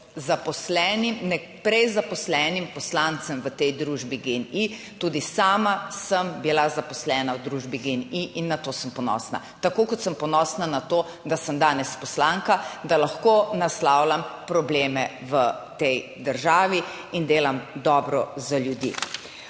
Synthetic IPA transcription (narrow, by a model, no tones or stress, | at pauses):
zapɔslɛnimnɛ | pɾɛjzapɔslɛːnimpɔslant̪səmʋət̪ɛjd̪ɾuːʒbiɡeni | t̪uːd̪isaːmasəmbilazapɔslɛːnawd̪ɾuːʒbiɡeniʔinːat̪oːsəmpɔnɔ̰ːsna̰t̪akoːkɔt̪səmpɔnɔsnanat̪o | d̪asəmd̪aːnɛspɔslaŋkad̪alaxkonaslawlampɾɔbleːmɛʋət̪ɛj | d̪əɾʒaːʋi | ind̪eːlamd̪ɔːbɾɔzaljud̪jḭ